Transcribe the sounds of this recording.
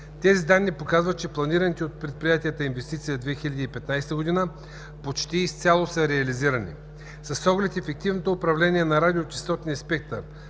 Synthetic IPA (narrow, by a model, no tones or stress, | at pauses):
t̪ɛzid̪anːipokazvət̪̚t͡ʃɛplˠɐniɾənit̪iot̪̚pɾɛt̪̚pɾijat̪iət̪əinvɛst̪it̪sijəd̪vɛxilʲɐd̪iːpɛt̪najst̪əɡod̪inə | pot͡ʃt̪iːst̪sʲalˠosəɾɛɐliziɾənḭ | sɐsːɔɡlɛt̪ɛfɛk̚t̪ivnot̪oːpɾɐvlɛniɛnɐɾad̪ʲiot̪i̥st̪ɔt̪nispɛk̚t̪ə